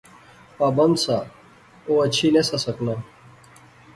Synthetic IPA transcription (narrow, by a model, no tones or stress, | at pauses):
paːbɐnd̪sa | oɐt͡ɕʰinesasɐkna